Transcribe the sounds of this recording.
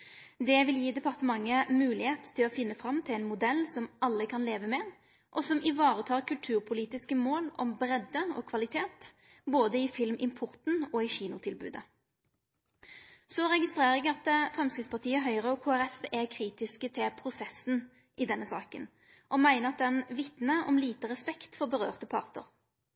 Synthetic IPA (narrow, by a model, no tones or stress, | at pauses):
d̪ɛʋɪljiːd̪ɛpɑʁt̪əmɑŋːəmʉːlɪheːt̪t̪ʰːɪlɔfɪnːəfɾɑmt̪ʰɪlæɪnmʊd̪ɛlːsɔmʔɑlːəkʰɑnleːʋəmɛ | ʔɔsɔmɪʋɑːʁət̪ʰɑːʁkʰʉlt̪ʰʉːʁpʰʊliːt̪ɪskəmoːlɔ̰mbɾɛd̪əɔkʰʋɑlɪt̪ʰeːt̪ | boːd̪əɪfɪlmʔɪmpʰʊʁt̪n̩ɔɪçiːnʊt̪ʰɪlbʉ̰ːd̪ə | sɔɾɛɡɪst̪ʁeːʁəɛɡɑt̪fʁɛmskɪt̪spʰɑʁt̪ʰiːəɦœʏʁəɔkʰoːæʁɛfɛkʰʁiːt̪ɪskət̪ʰɪpʰʁʊsɛsn̩ | ʔɪd̪ɛnːəsɑ̰ːkə̰n | ʔɔmæɪnəʁɑt̪̚d̪ɛnʋɪt̪nəɔmliːt̪əʁɛspɛkt̪fɔʁbəʁøːʁt̪əpʰɑ̰ʁt̪ə̰ʁ